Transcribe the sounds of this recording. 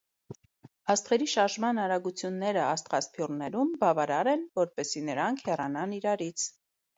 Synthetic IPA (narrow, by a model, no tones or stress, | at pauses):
ɑst̪χɛɾiʃɑɾʒmɑnɑɾɑɡut͡sʰjunːɛɾəɑst̪χɑspʰjurnɛɾumbɑvɑɾɑɾɛnvɔɾpɛsinəɾɑŋkʰhɛrɑnɑniɾɑɾit͡sʰ